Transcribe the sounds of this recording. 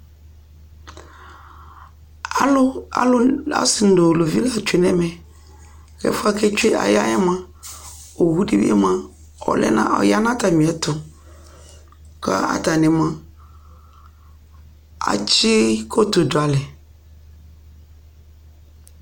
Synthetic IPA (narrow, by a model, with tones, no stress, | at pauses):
a̰˨˦lʊ˦a̰˦sɪ˨n̩˨dʊ˨lo˨vi˦la˨t͡ʃᶣe˨nɛ̃˦mɛ̃˨ | kɛ̰˦fʊ˦a˦kʰɛ˦t͡ʃe˦ʔa̰˨ja˦jɛ˦mã˦ | o˨wu˦de˦bḭ˦ɛ̰˦mã˦ | ɔ̰˨lɛ̰˦nã̰˦ɔ̰˨ja˦nã˦ta˨mĩ˨ɛ˨tʊ˨ | ka̰˦a̰˨ta˨nɪ̃˨mã˨ | a̰˨t͡ʃɪ˦kʰo˦to˨dʊ˨a˨lɛ˨